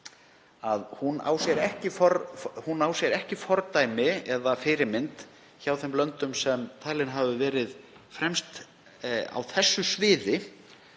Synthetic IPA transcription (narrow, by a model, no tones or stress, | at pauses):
aðhuna̰wsjɛɾɛhcɪfɔɾhunawsjɛɾɛhcɪfɔɾt̪aːjmɪɛðafɪɾɪɾmɪnt̪ | çawθɛmlœnt̪ʏmsɛmt̪ʰaːlɪnɦavʏvɛːɾɪð | fɾɛmst̪ | a̰wθɛsːʏsvɪːðɪ